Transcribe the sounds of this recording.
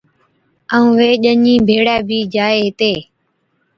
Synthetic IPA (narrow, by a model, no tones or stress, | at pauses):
əũːʋeːʄəɲĩːbʱeːɽaːbʱiːd͡ʒaːeːɦɪt̪eː